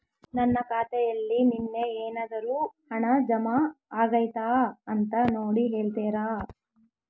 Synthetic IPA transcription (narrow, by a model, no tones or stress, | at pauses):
nɐnːɐkaːt̪ɛjɐlːininːeeːnaːd̪ɐɾuːhɐɳɐd͡ʒɐmaaːɡɐjt̪aːɐnt̪ɐnoːɽiɦeːɭt̪ɛːɾaː